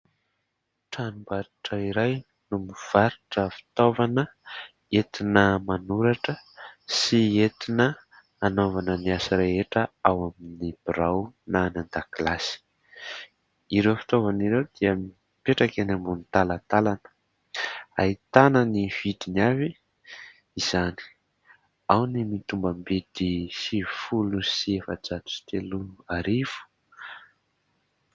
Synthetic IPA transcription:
ʈ͡ʂanumbaɾiʈ͡ʂəiɾaj | numiuv̥aɾiʈ͡ʂəfi̥t̪ovanə | et̪inəmanuɾaʈ͡ʂəsiet̪inəː | novanəniasiɾeɦeʈ͡ʂəawaminib̥iɾawnanand̪akilasi̥ | iɾewfi̥t̪ovaniɾewd̪̥iam | peʈ͡ʂakanambunit̪alat̪alanə̥ | a̰it̪anəniv̥id̪inavi | iz̥ani̥ | awnimit̪umbəmbet̪isifulusiefəd͡ʒat̪u̥si̥t̪eluaɾiv̥u̥

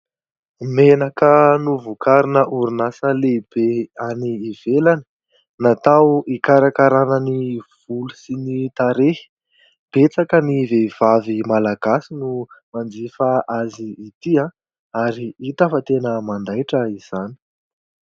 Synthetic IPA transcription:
menakənuvukaɾinəʔuɾunasəleibeaniːv̥elani̥ | nat̪awikaɾakaɾanəniv̥ulusinit̪aɾe̥ | b̥et͡sakəniveiv̥avimalaɡasinumand͡zifaʔaziːt̪iã | aɾiit̪afat̪enəmand̪ajʈ͡ʂəiz̥ani̥

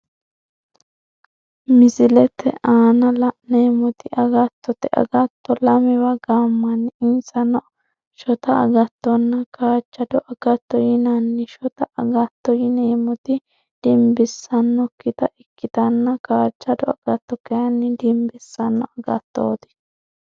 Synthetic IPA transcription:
mɪsɪlɛt̪ɛ̰ʔaːnɐlɐneːmɔt̪ɪʔɐɡɐt̪ːɔt̪ɛʔɐ̰ɡɐt̪ːɔlɐmɪwɐɡaːmːɐnːɪɪnsɐnɔ | ʃɔt̪ɐɐɡɐt̪ːɔnːɐkaːt͡ʃːɐd̪ɔʔɐɡɐt̪ːɔjɪnɐnːɛʃɔt̪ɐʔɐɡɐt̪ːɔjɪneːmɔt̪ɪ | d̪̥ɪmbɪsːɐnːɔkɪt̪ɐʔɪkːɪt̪ɐnːɐkaːt͡ʃːɐd̪ɔɐɡ̥ɐt̪ːɔkɛjɐnːɪd̪ɪmbɪsːɐnːɔɐɡɐ̰t̪ːo̰ːd̪ɪ̥

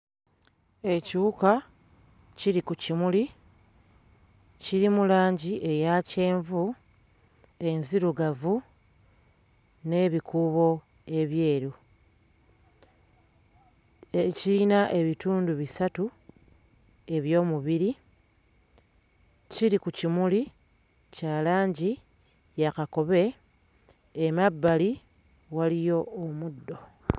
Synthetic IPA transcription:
e̞ciuka | ciɾikucimuli | ciɾimulaːɲɟiʔe̞jace̞ːɱvu | e̞nziɾuɡavu | ne̞βikuβo̞ | e̞βje̞ːɾu | ecinaʔe̞βituːnduβisatu | e̞βjo̞ːmuβiɾi | ciɾikucimuli | caːlaːɲɟi | jakako̞βe̞ | mabːali | walijo̞ːmudːo̞

